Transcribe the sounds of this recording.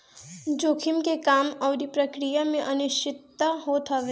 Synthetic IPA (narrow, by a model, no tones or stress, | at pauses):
d͡ʒoːkʰɪmkekaːmɔːɾipɾɐkɾijamẽʔɐnʊʃɪt̪ːɦoːt̪ʰəʋe